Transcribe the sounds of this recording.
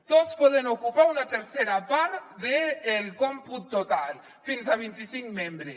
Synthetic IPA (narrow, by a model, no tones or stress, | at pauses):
t̪ot̪t͡spɔðenokupaunat̪eɾseɾapaɾt̪ðeːlkɔmput̪ːot̪al | finzaβ̞int̪isiŋkmembɾes